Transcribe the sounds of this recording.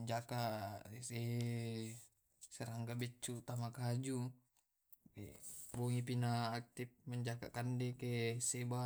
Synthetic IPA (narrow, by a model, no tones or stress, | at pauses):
ɲd͡ʒakase | seɾaŋɡabɛt͡ʃːut̪amakad͡ʒu | ḛboŋip̬inaːk̚t̪ip̚məɲd͡ʒaka̰ʔkandekeseba